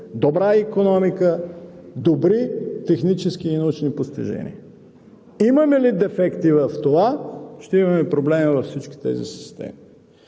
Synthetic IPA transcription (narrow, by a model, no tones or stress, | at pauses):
d̪obɾaikonɔmikəd̪obɾit̪ɛxnit͡ʃɛsk̟iːnɐut͡ʃnipost̪ḭʒɛ̰nḭə | imɐmɛlid̪ɛfɛkt̪ivəft̪ovaʃt̪ɛimɐmɛpɾoblɛmivɐfsit͡ʃk̟i̥t̪ɛ̰zḭsi̥st̪ɛ̰mi